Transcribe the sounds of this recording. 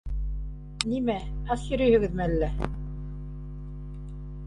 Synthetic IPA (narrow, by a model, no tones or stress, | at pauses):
nimæɑsjɵ̆ɾɵjhɘ̆ɡɘ̆ðmɘælːæ